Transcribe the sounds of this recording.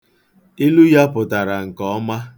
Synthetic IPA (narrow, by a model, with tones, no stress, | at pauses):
i˦lu˦ja˦pʊ˨ta˨ɾa˨ŋ̩˨kɔ˦ma˦